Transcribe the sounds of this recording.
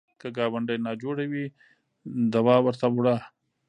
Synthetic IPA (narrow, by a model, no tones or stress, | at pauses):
kəɡɑwaɳɖəjnɑd͡ʒoɽawi | d̪awɑwəɾt̪awuɽa